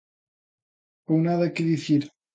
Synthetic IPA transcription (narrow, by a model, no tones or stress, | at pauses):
ownaðɐkeðiθiɾ